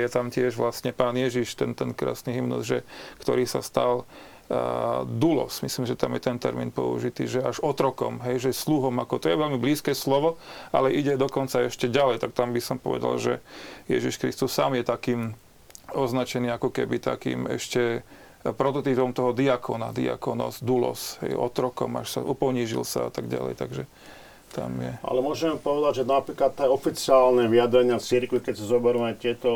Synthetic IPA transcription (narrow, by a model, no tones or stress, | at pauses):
jɛt̪amcɪɛʒʋlasɲɛpaːnjɛʒiʃt̪ɛnt̪ɛnkɾa̰ːsniɦimnɔ̰zʒɛkt̪ɔ̰ɾiːsa̰st̪a̰l | d̪ulɔ̰smisliːmʒɛt̪amjɛt̪ɛnt̪ɛ̰ɾmḭːnpɔ̰ṵʒit̪ḭːʒɛaʒɔt̪ɾɔkɔ̰mɦɛjʒɛsluɦɔmakɔt̪ɔjɛʋɛlmibliːskɛːslɔʋɔʔa̰lɛʔiɟɛd̪ɔkɔnt͡saɛʃcɛɟalɛjt̪ak̚t̪ambisɔmpɔ̰ʋɛ̰d̪a̰lʒɛ̰jɛ̰ʒiʃkɾḭst̪usːa̰ːmjɛt̪akiːm | ɔznat͡ʃɛniːakɔkɛbit̪a̰kḭːmɛ̰ʃcɛ | pɾɔt̪ɔt̪ipɔmt̪ɔɦɔd̪iakʰɔna̰d̪ḭa̰kɔnɔ̰zd̪ulɔ̰sɦɛ̰jɔt̪ɾɔkɔ̰ma̰ʃsa̰ʔupɔɲiʒḭlsa̰a̰t̪aɡɟa̰lɛ̰jt̪aɡʒɛ | t̪a̰mjɛʔa̰lɛmʊɔʒɛmpɔʋɛd̪aɟʒɛnapɾiːklat̪ːɛɔfit͡siaːlnɛʋiad̪ɾɛɲɪat͡siɾkʋikɛcsazɔbɛɾuːajt̪ɪɛt̪ɔ